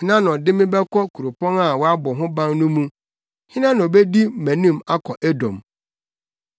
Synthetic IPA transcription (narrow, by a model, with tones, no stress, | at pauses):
ɪ˦nã˦n˨ɔ˨dɪ˦mɪ̃˦bɛ˦kʰɔ˦kʰu˨ɾo˨pɔ̃˦na˦˨wɔ˦a˦bɔ˨ɦʊ̃˦bã˦ŋnũ˦mũ˦ | hɪ̃˦nã˦nʊ̃˨ɔ˨bɛ˦di˦mæ̃˨nĩ˦˨ma˦kʰɔ˨ʔæ˦dɔ̰̃˨m